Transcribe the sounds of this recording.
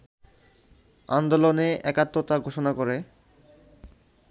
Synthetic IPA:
a̰nd̪oloneʔɛkat̪ːɾot̪aɡʱoʃonakoɾe

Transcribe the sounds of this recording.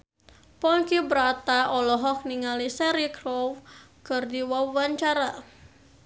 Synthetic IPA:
pɔŋkibəɾat̪aʔɔlɔɦɔk̚niŋalisɛɾikɾɔwkərdiwawaɲt͡ʃaɾa

